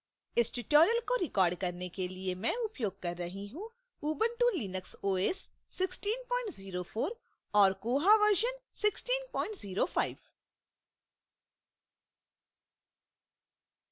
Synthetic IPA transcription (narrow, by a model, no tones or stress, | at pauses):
ɪsʈɪʈoːɾjəlkoɾɪkɔːɾɖkɐɾnekeliemɛ̃ʊpjoːɡ̚kɐɾːɐɦĩɦũ | uːbə̃ɳʈũːliːnəksoːeːsː | ɪksʈiːnpɔ̃ːɪ̃ɳʈziːɾofoːɾ | ɔːɾkoːɦaʋəɾʒənsɪksʈiːnpɔ̃ːɪ̃ɳʈziːɾofʰaːɪʋ